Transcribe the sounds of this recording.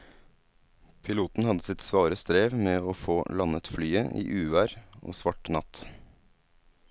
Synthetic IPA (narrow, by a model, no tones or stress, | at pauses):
pʰɪluːt̪n̩hɑd̪əsɪt̪sʋɑːɾəst̪ɾeːʋmeːoːfoːlɑnət̪flyːəʔḭːʔʉːʋæːɾo̰ːsʋɑʈnɑt̪